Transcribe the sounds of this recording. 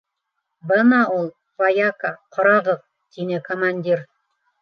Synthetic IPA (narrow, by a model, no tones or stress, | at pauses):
bɤnɑulˠ | pajakaqŏɾɑʁɤð | t̪inɘkomanʲdʲiɾ